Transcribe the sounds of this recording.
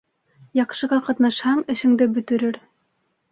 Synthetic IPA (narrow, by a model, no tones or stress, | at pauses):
jɑqʃɤ̆ʁɑqɑt̪nɑʃhɑɴɘ̆ʃɘ̆ŋd̪ɘbɵ̆t̪ɘ̆ɾɘɾ